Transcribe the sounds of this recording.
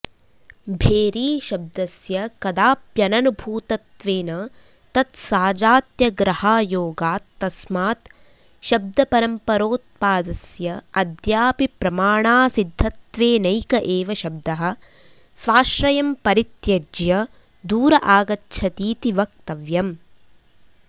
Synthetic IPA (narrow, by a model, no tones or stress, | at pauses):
bʱeːɾiːʃɐb̚d̪ɐsjɐkɐd̪aːpjɐnɐnubʱuːt̪ɐt̪ʋeːnɐ | t̪ɐt̪saːd͡ʒaːt̪jɐɡɾɐhaːjoːɡaːt̪ːɐsmaːt̪ | ʃɐb̚d̪ʱɐpɐɾɐmpɐɾoːt̪̚paːd̪ɐsjɐɐd̪jaːpipɾɐmaːɳaːsid̪ʱːɐt̪ʋeːnɐjkɐʔeːʋɐʃɐb̚d̪ɐɦɐ̆ | sʋaːʃɾɐjɐmpɐɾit̪jɐd͡ʒjɐ | d̪uːɾɐʔaːɡɐtːʃʰɐt̪iːt̪iʋɐk̚t̪ɐʋjɐm